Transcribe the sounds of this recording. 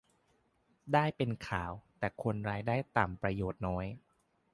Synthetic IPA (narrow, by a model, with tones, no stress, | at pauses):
daː˥˩jpe˧nkʰaː˩˦wt̪ɛː˨˩kʰo˧nɾaː˧jdaː˥˩jt̪aː˨˩mpɾa˧joː˨˩t̪̚nɔː˦˥j